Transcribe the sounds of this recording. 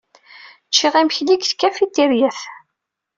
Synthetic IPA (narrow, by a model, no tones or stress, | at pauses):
t͡ʃːiʁæmçliɡθkːæfit̪ːiɾjæθ